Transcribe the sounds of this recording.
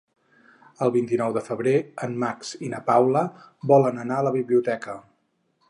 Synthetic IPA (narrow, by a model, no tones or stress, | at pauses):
əlˠβint̪inɔwðəfəβɾeəmːaksinəpawlə | bɔlənənaələβiβliut̪ɛkə